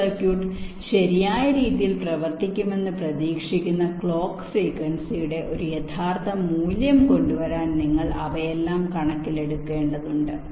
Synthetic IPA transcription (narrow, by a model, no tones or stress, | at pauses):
ɐrkjuːʈːɨ | ɕɐɾijaːjɐɾiːðijilprɐʋɐrt̪ikʲːume̞nːɨprɐðiːkʂikʲːunːɐkɭo̞ːkːsiːkɐnsijuɽe̞ʔo̞ɾujet̪ʰaːrt̪ʰɐmuːljɐmko̞ɳɖuʋɐɾaːnniŋːɐɭɐ̰ʋɐjelːaːmkɐɳɐkːile̞ɽukːe̞ːɳɖɐðuɳɖɨ